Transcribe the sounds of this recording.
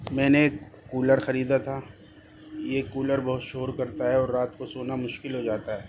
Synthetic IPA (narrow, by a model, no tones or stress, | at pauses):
mɛ̃ːnekuːləɾxɐɾiːd̪at̪ʰa | jekuːləɾbɔɦʊt̪ʃoːɾkɐɾt̪aɦɛɔːɾːaːt̪kosoːnamʊʃkɪlɦod͡ʒaːt̪aɦɛː